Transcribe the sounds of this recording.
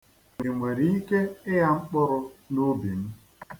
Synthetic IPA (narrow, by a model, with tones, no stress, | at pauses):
e˨ŋʷe˨ɾi˦i˦ke˦ɪ˦ja˦ŋ͡m̩˦k͡pɔ˦no˦bi˨m̩˦